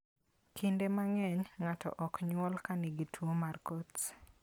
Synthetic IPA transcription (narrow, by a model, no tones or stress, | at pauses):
kʰindemaŋɛɲŋatɔ̰ʔɔkɲwɔlkaniɡitʰwomarkot